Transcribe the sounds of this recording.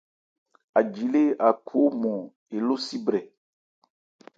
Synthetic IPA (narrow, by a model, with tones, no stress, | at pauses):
a˨d͡ʒi˨le˦a˨kʰo˨˦mɔ̃˨ | e˨lo˦si˦bɾɛ˨